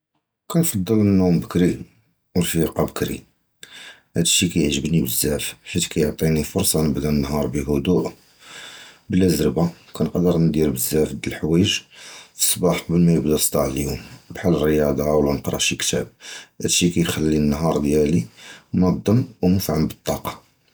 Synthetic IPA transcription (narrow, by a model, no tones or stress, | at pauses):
kænfɑd̪ˤːələnːumbəkɾi | wəlfiqɑbəkɾḭ | hæd̪ʃikæjəʕʒəbnibəzːæfħit̪kæjoʕt̪ˤinifʊɾsˤɑnəbd̪ænːɦɑɾˤbiɦʊd̪uʔ | bəlʔəzɾəbakænəqd̪əɾnd̪iɾbəzːæfd̪əlħwæjəʒfə̥sˤːbɑħbəlmæjəbd̪æsˤt̪ˤɑʕljumbħalərːəjɑd̪ˤɑwlænəqɾˤɑ̰ʃikt̪æ̰b̚hæd̪ʃikæjxælːinːɦɑɾˤd̪jælimæd̪ˤːəmːwmʊfʕambət̪ˤːɑqɑ̥